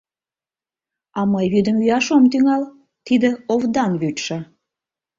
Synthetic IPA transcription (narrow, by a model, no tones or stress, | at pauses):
ɑməjβyd̪əmyjɑʃomt̪yŋɑl | t̪id̪ə̆ovd̪ɑnβyt̪ʃɑ